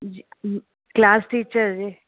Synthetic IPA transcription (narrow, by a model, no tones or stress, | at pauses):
klaːsʈiːt͡ʃəɾd͡ʒiː